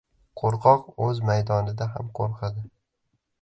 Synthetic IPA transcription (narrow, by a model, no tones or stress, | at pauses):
qʰoɾqʰɒqɵzmajd̪ɒnɪd̪aɦa̰mqʰoɾqʰad̪ɪ